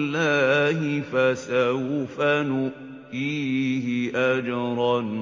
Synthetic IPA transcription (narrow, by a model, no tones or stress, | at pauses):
lːaːhɪfasawfanʊʔ | tiːhɪʔad͡ʒɑɾˤɑn